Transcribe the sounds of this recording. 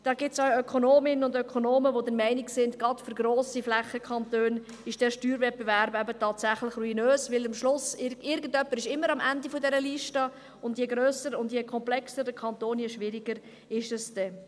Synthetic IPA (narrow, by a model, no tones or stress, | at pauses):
d̥ɑːɡɪtsɑœkʰonoːmɪnənʊndœkʰonoːməʋodəɾmɛɪnɪksɪndɡɑtfyɾɡɾoːsiflæχəkʰɑntøːn | ɪʃd̥ɛːʃtyːɾvɛt̚bevæɾbæbətɑːtsæχlɪχruinøːsʋɪlɑmʃlʊsɪɪɾɡən̩dœpːəɾɪʃɪmːəɾɑmʔændifɔdɛɾəliʃtə | ʊndjɛɡɾøːsəɾʊndjɛkʰɔmplɛksəɾdəkʰɑntoːnjɛʃʋɪɾiɡəɾ | ɪʃəsd̥ɛ